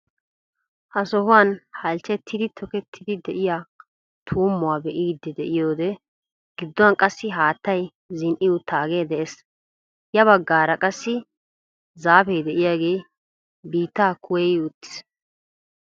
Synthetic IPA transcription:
hɐsɔɦʊwanhɐlt͡ʃːɛt̪ːɪd̪ɪt̪ʰɔkɛt̪ʰːɪd̪ɪd̪ɛʔɪjaː | t̪ʰuːmːʊwaːbɛʔiːd̪ːɛd̪ɛʔɪjoːd̪ɛ | ɡ̥ɪd̪ːɔwɐnkʼɐsːɪɦaːt̪ːɐj | zɪnʔɪjʊt̪ʰaːɡeːd̪ɛʔes | jɐβɐɡːaːɾɐkʼɐsːɪ | zaːfɛjd̪ɛʔɪjaːɡe̞ː | biːt̪ːaːkʰʊwɛjʊt̪ːɪ̥s

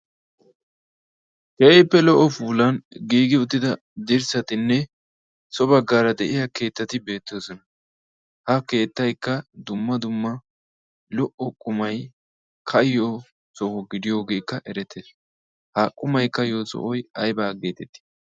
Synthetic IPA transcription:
kɛʔɛjpːɛlɔʔɔfuːlɐnɡiːɡɪʊt̪ːɪd̪ɐ | d̪ɪɾsɐt̪ɪnːɛ | sɔbɐɡːaːɾɐd̪ɛʔɪjɐke̞ːt̪ːɐt̪ɪbe̞ːt̪ːɪoːsɔnɐ | hɐke̞ːt̪ːɐjkːɐd̪ʊmːɐd̪ʊmːɐ | lɔʔɔkʼʊmɐj | kʰɐjjo | sɔhɔɡɪd̪ɪjo̞ːɡe̞ːkːɐʔɛɾɛt̪ːeːs | hɐkʼʊmɐjkːɐjoːsɔ̰ʔɔjɐjbaːɡeːt̪ɛt̪ːɪ̥

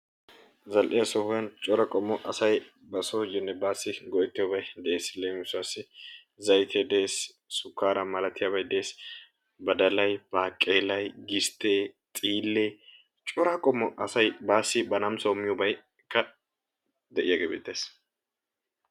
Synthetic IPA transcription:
zɐlʔɪjasɔhʊjɐnt͡ʃʼɔɾɐkʼɔmːɔʔɐsɐj | bɐsoːd͡ʒɪnːɛbaːsːɪɡɔʔɛt̪ːɪjobɐjd̪ɛʔe̞ːsleːmsʊasːɪ | zɐjt̪ʰeːd̪eːs | sʊkːaːɾɐmɐlɐt̪ɪjaːbɐjd̪ɛeːs | bɐd̪ɐlɐjb̥aːkʼːeːlɐjɡɪst̪ːeːt̪ʼiːlːeː | t͡ʃʼɔɾɐkʼɔmːɔʔɐsɐjbaːsːɪbɐnɐmsɔʊmːɪjɔbɐj | kːɐ | d̪ɛʔɪjaɡeːbḛːt̪ːe̞ːs

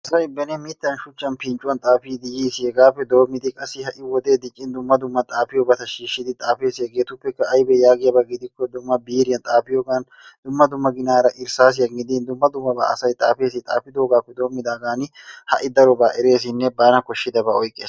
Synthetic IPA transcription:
ʔɐsɐjbːɛnemiːt̪ːɐnʃʊt͡ʃːɐnpɪnt͡ʃʼʊwɐnt̪ʼaːfiːd̪ɪjiːsɪɛɡaːfɛd̪o̞ːmɪd̪ɪkʼɐsɪhɐʔɪwɔd̪eːd̪ɪkʼːɪnd̪ʊmːɐd̪ʊmːɐt̪ʼaːfɪjɔbɐt̪ɐʃiːʃːɪd̪ɪt̪ʼaːfeːsɪɛɡeːt̪ʊpːɛkːɐːjbɛjaːɡeɐbɐɡɪd̪ɪkːɔd̪ʊmːɐbiːɾɪjɐnt̪ʼaːpɪjɔɡan | d̪̥ʊmːɐd̪ʊmːɐɡɪnaːɾɐʔɪɾsaːs̬ɪjɐŋɡɪd̪iːnd̪ʊmːɐd̪ʊmːɐba̰ʔɐ̰sɐjt̪ʼa̰ːfeːsɪt̪ʼa̰ːpɪd̪oːɡaːfːɛd̪oːmːɪd̪aːɡaːnɪhɐʔɪd̪ɐɾɔbaːʔɪɾeːs̬ɪnːɛbaːnɐkɔʃːɪd̪ɐbɐɔjkʼeːs

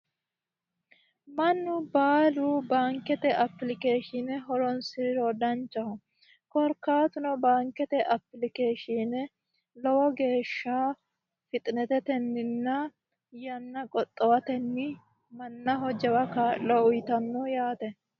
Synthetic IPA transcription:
mɐnːʊbaːluːbaːŋkɛt̪ɛʔɐpːlɪke̞ːʃɪnɛɦɔɾɔnsɪɾɪɾɔd̪ɐnt͡ʃːɐhɔ | kɔɾkaːt̪ʊnɔbaːŋkɛt̪ɛʔɐpːlɪkeːʃinɛ | lɔwɔɡe̞ːʃːa | fɪt̪ʼɪnɛt̪ɛt̪ɛnːɪnːɐ | jɐnːɐkʼɔt̪ʼːɔwɐt̪ɛnːɪ | mɐnːɐɦɔd͡ʒɛwɐkaːlɔʊjt̪ɐnːɔjaːt̪ɛ

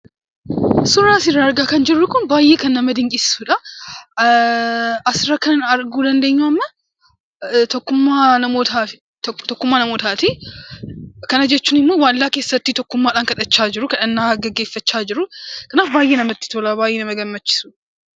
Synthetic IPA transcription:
sʊrːaːsɪrːɐɐɾɡaːkɐnd͡ʒɪrːʊkʊnbaːjːe̞ːkɐnːɐmɐd̪ɪŋkʼɪssuːᶑɐ | ɐsɪrɐkɐnnɐɾɡuːd̪ɐnd̪eːɲːuɐmːɐ | t̪ɔkːʊmːaːnɐmoːt̪aːɪ̥ | t̪ɔkːʊmːaːnɐmoːt̪aːt̪i | kɐnɐd͡ʒɛt͡ʃːuːnɪmːoːwaːlːaːke̞ːsːɐt̪ːit̪ɔkːʊmːaːᶑaːŋkɐᶑ̪ʼɐt͡ʃːaːd͡ʒɪɾʊkɐᶑɐnːaːɡɐɡːe̞ːfːɐt͡ʃːaːd͡ʒɪɾʊkɐnaːfbaːjʔeːnɐmɐt̪ːɪ̥t̪oːlaːbaːjʔeːnɐmɐɡɐmːɐt͡ʃːɪ̥suːᶑ

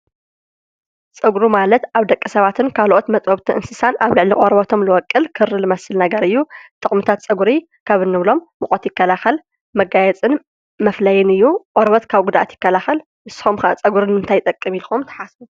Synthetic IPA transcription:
t͡sʼɨɡɾumalɐt̪ʔaβd̪ɐkʼːisɐβat̪ʰɨnkʰalʔo̞t̪mɐt͡sʼoβt̪ʰiʔɨnsɨsanaβlɨʕliʔʼoɾβɐt̪ʰo̞mlɨwɔkʼːɨlkʰɨrːɨlɨmɐsɨlnɐɡɐɾɨjːut̪ʼɨχʼmɨt̪ʰat̪̚t͡sʼɐɡuɾi | kʰaβɨnːɨβlo̞mːɨχʼot̪jɪkːɐlaxɐl | mɐɡajɛt͡sʼɨn | mɐflɐjɪnɨjːuʔʼoɾβɐt̪kʰaβɡud̪ʔa̰t̪jɪkːɐlaxɐl | ʔɨsxumxat͡sʼɐɡuɾɨnɨnt̪ʰajt̪ʼɐkʼːɨmilxumt̪ʰɐ̥ħasbu

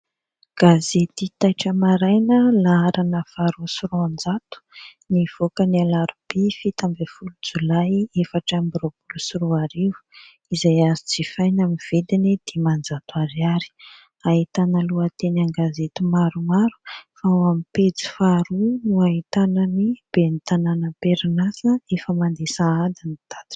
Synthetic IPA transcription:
ɡ̥azet̪it̪ajʈ͡ʂəmaɾajnəlaaɾanəfaɾusuɾuand͡zat̪u̥niv̥okənialaɾub̥ifit̪ambefulud͡zulajefaʈ͡ʂambɾob̥ulusuɾuaɾivu̥ | izajazit͡sifajnamiv̥ed̪inid̪̥emand͡zat̪uaɾiaɾi̥ | ait̪anəluat̪enaŋɡazet̪umaɾumaɾu̥faamipet͡si̥faɾunuait̪ananib̥enit̪ananəpeɾinasəefəmand̪esaad̪init̪ad̪̥i̥

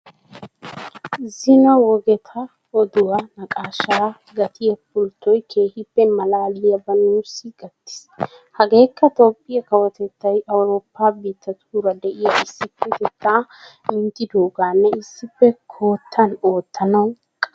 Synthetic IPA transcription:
zɪnɐwɔɡɛt̪ʰɐ | ɔd̪ʊwɐnɐkʼaːʃɐɾa | ɡɐt̪ʰɪjɐpʊlt̪ːɔjkʰe̞ːhɪpːɛmɐlaːlːɪjɐbɐnuːsɪɡ̥ɐt̪ːɪ̥s | hɐɡe̞ːkːɐt̪o̞ːpʼːɪjɐkɐwɐt̪ɛt̪ːɐjɐwɾo̞ːpːaːbiːt̪ːɐt̪ʰuːɾɐd̪ɛʔɪjɐɪsːɪpːɛt̪ɛt̪ːaːmɪnt̪ʼːɪd̪oːɡaːnːɛɪsːɪpːɛkʰo̞ːt̪ʰːɐno̞ːt̪ːɐnɐw | kʼɐ

